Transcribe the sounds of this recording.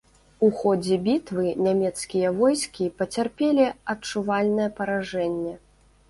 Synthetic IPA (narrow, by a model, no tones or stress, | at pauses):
uxɔd͡zʲɛbʲit̪vɨnʲamʲɛt̪skʲijɐvɔjskʲipɐt͡sʲarpʲelʲiɐtt͡ʂuvalʲnɐjɐpɐɾaʐɛnʲːɛ